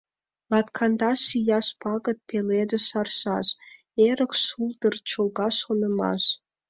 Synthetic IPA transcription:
lɑt̪kʰɑnd̪ɑʃijɑʃpɑɣə̆t̪̚peled̪ə̆ʃɑrʃɑʃ | eɾəkʃuld̪ərt͡ɕolɣɑʃonə̆mɑ̰ʃ

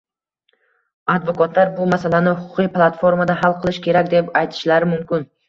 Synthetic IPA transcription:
ad̪vokɒt̪ʰlaɾbʊmasalanɪhʊqʰʊqʰɨjplˠat̪fo̞ɾmad̪aɦalˠqʰɨlˠɪʃkʲe̞ɾakʲd̪e̞pajt̪ʰɪ̥ʃlaɾɪmʊmkʲɪn

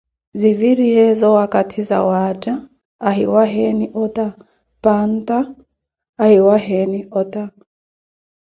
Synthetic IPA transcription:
ziviɾiɦɛzɔwakatʰiza̰wad͡ʒaː | ɦiwaɦɛniʔɔta | pantaː | hiwaɦɛniʔɔta

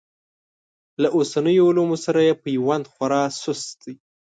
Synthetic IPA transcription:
laʔosanəjoːlumosaɾajepəiwand̪xwaɾɑsʊsd̪ij

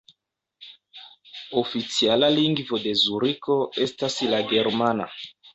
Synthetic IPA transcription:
ofit͡sialaliŋɡvodezuɾikoestasilaɡeɾmana̰

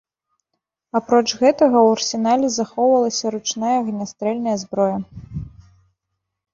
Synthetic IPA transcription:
apɾɔt͡ʂɣɛt̪ɐɣɐwɐrsʲin̪alʲɛzaxɔwvɐlˠɐsʲɐɾut͡ʂnajɐɣnʲast̪ɾɛlʲnɐjɐzbɾɔjɐ

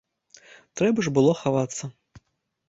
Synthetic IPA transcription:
t̪ɾɛbɐʐbɨlˠɔxavat̪sːɐ

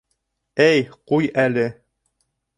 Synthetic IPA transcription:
æjqujælɘ

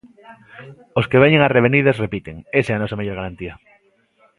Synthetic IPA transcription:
oskeβeɲeŋareβ̞eniðasrepit̪eŋesɛanɔsameʎoɾɣaɾant̪ia

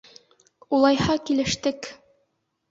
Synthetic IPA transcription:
ulˠɑjhɑkilɘ̆ʃt̪ɘk

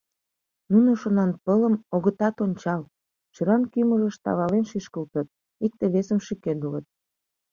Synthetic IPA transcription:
nunoʃonɑnpələmoɣət̪ɑt̪onʲt͡ɕɑl | t͡ɕəɾɑnkyməʒə̆ʃt̪ɑ̰βɑlenʃiʃkəlt̪ə̆t̪̚ | ik̚t̪eβesəmʃyked̪ulət̪̚

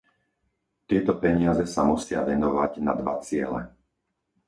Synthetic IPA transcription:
t̪ɪɛt̪ɔpɛɲɪazɛsamusɪaʋɛnɔʋaɟna̰d̪ʋa̰t͡sɪɛ̰lɛ̰

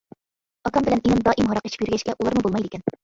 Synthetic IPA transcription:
ɑkɑmbɪlɛnenɪmd̪ɑːʔimɦɑɾɑqe̥ʃi̥pjyɾɡʲɛʃkʲɛʔulˠɑɾmubolˠmɑjd̪ɪkʲɛn

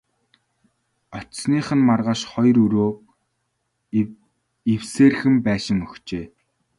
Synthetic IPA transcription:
ɔt͡ɕsniːχə̆nmarʁaːʃχɔjɾɵɾoː | iwseːrxɘ̆mpæːʃɪ̆ŋɵxt͡ɕeː

